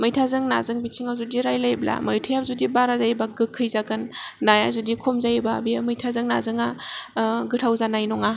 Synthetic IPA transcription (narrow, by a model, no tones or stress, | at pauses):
mɯjtʰazɯŋna̰zɯŋbit͡ʃʰiŋawzudiɾajlajbla̰mɯjtʰɯjabzudibaɾazajbaɡɯkʰːɯjzaɡɯnːajazudikʰomzajbabiamɯjtʰazɯŋna̰zɯŋa | ɡɯtʰawzanajnɔŋa